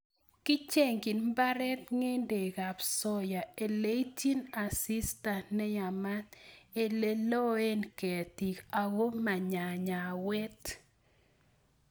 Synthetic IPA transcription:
kɪ˦t͡ʃe˦ŋɡi˨nmba˦ɾɛ˦t̪ŋe˦nde˨ɡa˨psɔ˦ja˨e˨le˦i˦ti˦na˨si˦sta˨nnɛ˦ja˨ma˦te˨le˦lo˦e˦nke˨ti˨ka˨ɡo˦ma˨ɲa˨ɲa˨wɛ˦t

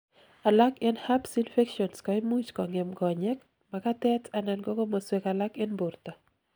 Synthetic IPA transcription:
a˨la˦kɪnha˦psinfe˦kʃɔ˨nskɔɪ˦mu˦t͡ʃkɔ˨ŋɪ˨mɡɔ˨ɲɛ˦k | maka˦tɛtʰa˨nɛ˨nɡɔ˦ko˦moswekala˦kɪ˦nbu˨ɾta˨

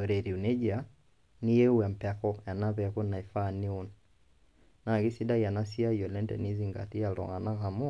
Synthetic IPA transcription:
ɔ˨ɾɛ˨ɾi˨u˨nɛ˦d͡ʒa˨ | ni˦jɛ˦u˦a˨m̩˨pɛ˨kɔ˦ja˨na˦pɛ˨kɔ˦na˨i˨fa˦˨ni˦ɔ˨n | na˨ki˦si˦da˦ja˨na˦si˦a˦jɔ˨lɛ˦ndɛ̰˨ni˦zi˨ŋɡa̰˨ti˦a˨lɔ̰˨ŋa˨na˦ka˨mɔ˦

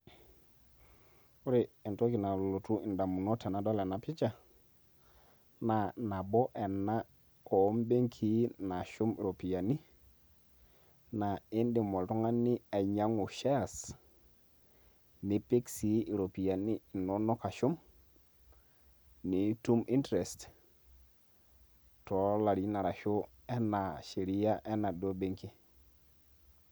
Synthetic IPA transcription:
u˦ɾi˨i˨nto˦ki˨na˨lo˨tu˦i˨nda˨mu˨nɔ˦tɛ˨na˨dɔ˦lɛ˨na˨pɪ˦t͡ʃa˦˨ | na˨na˨bɔ˦ʔɛ˨nːa˦ | ɔ˨˦mbe˦ŋkʰi˦na˨ʃu˦m̰˨ɾo˨pi˨ja˨ni˦ | na˨i˦ndi˨mo˨ltu˦ŋa˦nɪ˦a˨ɲa˦ŋu˨ʃa˦a˨s | ni˨˦pe˦ksi˦i˨ɾo˨pi˨ja˨ni˦˨no˦no˦ka˨ʃu˦m | ni˨tu˦mʔi˦ntɾe˨st | tɔ˨˦la˨ɾi˦na˨ɾa˨ʃu˦ | e˦na˨ʃe˨ɾi˦ja˦ʔe˦na˨do˦be˦ŋki˦

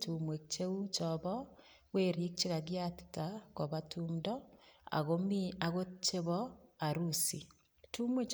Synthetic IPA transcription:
tu˨mwe˨kt͡ʃe˦u˦t͡ʃɔβɔ˦ | ɣwe˦ɾi˦k̚t͡ʃe˦ɣa˨ɣja˦ti̥tako˨βa˦tuːmdɔ˦a̰˨ɣo˦mi˦a˨ɣo˦t͡ʃe˦βɔ˦a˨ɾusi˨ | tʰu˦mwe˦t͡ʃ

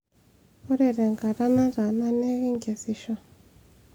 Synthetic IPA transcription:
ɔ˦ɾɛ˨ɾɛ˨ŋɡa˨ɾa˦na˦ɾa˨na˦nɛ˦ɣi˦ŋɡa˨si˦ʃɔ˦

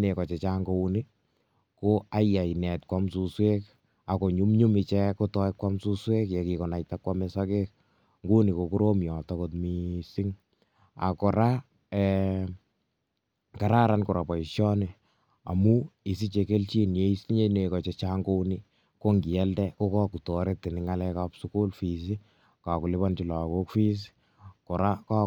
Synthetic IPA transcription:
ne˨kɔ˨t͡ʃe˨t͡ʃa˦ŋɡo˦u˦ni˦ | ko˦a˦ja˨jnɛ˨tkwamsu˨swe˦k | a˨ko˨ɲu˦mɲu˦mɪ˧t͡ʃɛ˦ko˦tɔ˦ɪ˦kwa˦msu˦swe˦kje˨ki˨kɔ˨na˨jta˦kwa˦me˦sake˦k̚ | ŋɡu˦ni˨ko˨ku˦ɾo˦mjɔ˨tɔkotmi˨si˦ŋ | a̰˨kɔ˨ɾa˦ | ɛ | ka˨ɾa˦ɾankɔ˨ɾa˨pa˨iʃjɔ˦nɪ | a̰˨mu˦i˨si˦t͡ʃe˧ke˦lt͡ʃi˦nje˦i˦si˦ɲe˦ne˨kɔ˨t͡ʃet͡ʃaːŋɡo˦ni˦ | ko˦ŋɡi˨ɛ˦ldɛko˦kɔ˦ku˨tɔ˨ɾe˦tɪ˨nɪŋalɛkapsuku˦lfi˨s̬i˦ | ka˨ku˨lɪ˦ba˦nt͡ʃi˨la˨ko˦kfi˦s̬ | kɔ˨ɾa˦ka˦

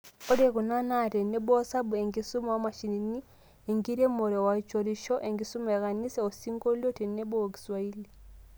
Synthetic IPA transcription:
ɔ˦de˦˨ku˨na˦na˦˨tɛ˨ne˦bɔ˦sa˦bu˨e˨ŋɡi˦su˦ma˦˨˦ma˨ʃi˨ni˨ni˦ | e˨ŋɡi˦ɾe˦mo˨ɾɛ˨wa˨t͡ʃɔ˨ɾi˨ʃɔ˦ʔe˨ŋɡi˨su˦ma˨ɣa˨ni˦sɛ˦ɔ˨si˦ŋɡo˦li˦o˦tɛ˨ne˦bɔ˦˨ɡi̥˨swa˨i˦li˨

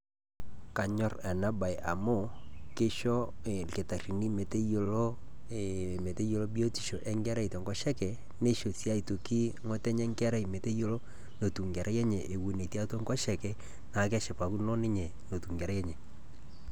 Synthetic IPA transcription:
ka˨ɲɔ˨rɛ˨na˦ba˨i˨ʔa˨mo˦˨kɪ˦ʃɔ˦˨ke˨ta˨ri˨ni˦me˨te˦jo˦lo˦ | me˨te˦jo˨lo˦bi˦o˦ti̥˨ʃo˨ʔɛ˦ŋɡɛ˦ɾɛ˦i˨tɔ˨ŋɡɔ˦ʃɛ˦kɛ˨ | ne˦ʃo˨sja˦i˨to˨ki˦ŋɔ˦tɛ˦ɲɛ˦ŋɡɛ˦ɾɛ˦i˨me˨te˦jo˦lo˦ | no˨tu˨ŋɡɛ˨ɾʔa˦jɛ˦ɲɛ˨ʔe˨wu˨ne˨ti˦a˦tɔ˦ŋɡɔ˦ʃɛ˨kɛ˨ | na˨˦kɛ˦ʃɛ˨pa˨ku˦nɔ˦nɪ˦ɲɛ˨ | no˨tu˨ŋɡɛ˨ɾa˦jɛ˦ɲɛ˨

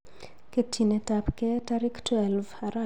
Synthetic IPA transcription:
ke˦tʰi˨nɛ˨˦ta˨pkɛ˦ta˦ɾɪ˦ktɛ˨lva˨ɾa˦˨

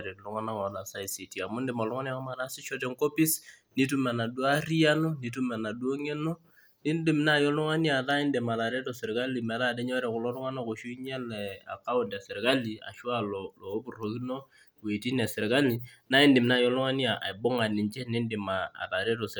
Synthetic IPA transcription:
ɾi˨lʊ˦ŋa˦na˦kna˨sa˦i˨si˨ti˨a˨mʊ˦ndɪ˨ma˨lʊ˦ŋa˦nja˦kɔ˦ma˨na˦sɪ˦t͡ʃɔ˦tɛ˦ŋko˦pi˦sni˦t̬u˦ma˨na˨du˦a˦ri˦ja˦no˦ni˨t̬u˦ma˨na˨du˦o˦ŋɛ˦no˦ | nɪ˦ndɪ˨mna˦˨jɔ˦lʊ˦ŋa˦nja˨ða˦ɪ˦ndɪ˨ma˨ða˨ɾe˦tɔ˨sɪ˨ɾka˦li˨mɛ˨ða˦˨dɛ˦ɲɔ˦ɾɛ˨kʊ˨lɔ˦lʊ˦ŋa˦na˦˨ko˨ʃu˦ɲɛ˦lɛ˨a̰˨ka˦ʊ˦˨nda˨sɪ˨ɾka˦li˨a̰˨ʃwa˦lɔloː˨˦bu˨ro˨ki˦no˦ | we˨ti˦nɛ˨sɪ˨ɾka˦li˨ | na˦ɪ˦ndɪ˨mna˦˨jɔ˦lʊ˦ŋa˦ni˦a˨ʔa̰˨i˨bʊ˦ŋa˨nɪ˨ɲt͡ʃɛ˦nɪ˦ndɪ˨ma̰ː˨ða˨ɾɛ˦tɔ˨s

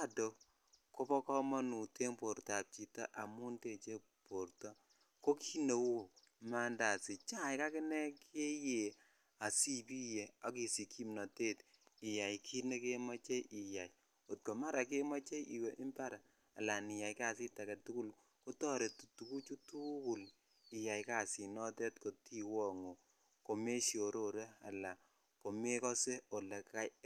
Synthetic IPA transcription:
a˦do˨ | ko˦bɔ˦kɔ˦mɔ˦nu˨te˦ŋpo˨ɾta˨p̚t͡ʃi˨ta̰˦ʔa˨mu˦nte˨t͡ʃe˦ | po˨ɾtɔ˦ | ko˦kʰi˦ne˨wo˦˨k | ma˦nda˨si˨t͡ʃa˦jka˦kɪ˦nɛ˦kʰe˦je˨ | a˨si˦pi˦je˨a˨ki˨si˨ki˦mna˨te˦tɪ˨ja˨jkʰi˦ne˦ke˦ma˦t͡ʃe˦i˨ja˨j | o˨t̚ko˨ma˦ɾa˨k̬e˦ma˦t͡ʃe˦jʔi˨we˨ʔi˦mpa˦ɾa̰ː˨ | la˨nɪ˨ja˨jka˦˨si˦ta˨kɛ˨tu˦ku˦˨l | ko˦tɔ˦ɾe˨tu˨tu˨ku˦t͡ʃu˦tu˦ku˨l | i˨ja˨jka˨si˨nɔ˦tɛ˦tko˨ti˦wɔ˦˨ŋo˨ | ko˨me˦ʃjo˨ɾo˦˨ɾe˦a̰˨la˨ | ko˨me˦kɔ˦se˦o˨lɛ˨kka˦j

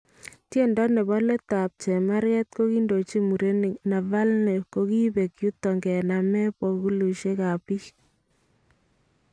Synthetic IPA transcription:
tje˦˨ndɔ˦ne˨bɔ˦le˦ta˨p̚t͡ʃɛ˨ma˦ɾjɛ˦t̚ko˦ki˦ndo˨t͡ʃi˦mu˨ɾe˦n˨na˨va˦lnɛ˨ko˦ki˦be˨kju˦tːɔ˨ŋɡɛ˨na˨mɛ˦pɔ˨ku˦lu˨ʃe˦ka˨pi˦

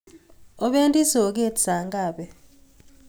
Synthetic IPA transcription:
ɔ˦ɓe˦ndʼi˦sɔ˨k̬e˦tsa˨ŋɡʼaː˨ɓɛ˨

